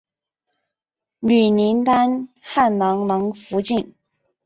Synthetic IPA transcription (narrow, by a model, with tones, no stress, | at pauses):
ny˨˩ni˧˥nt̪a˥nxa˥˩nlɑ˧˥ŋnɑ˧˥ŋfu˧˥t͡ɕi˥˩n